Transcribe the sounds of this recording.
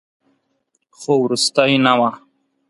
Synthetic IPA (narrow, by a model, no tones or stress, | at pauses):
xowɾust̪ainawa